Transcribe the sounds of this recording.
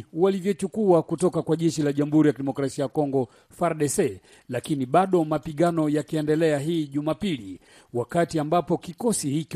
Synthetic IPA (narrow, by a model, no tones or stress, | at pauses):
walivjɔt͡ʃukuakutɔkakwaʄɛʃilaʄam̩huɾijakiɗɛmɔkɾasiajakɔŋɡɔ | faɾɗɛsɛ | lakiniɓaɗɔmapiɠanɔjakiɛndɛlɛaɦiːʄumapili | wakatiambapɔkikɔsihik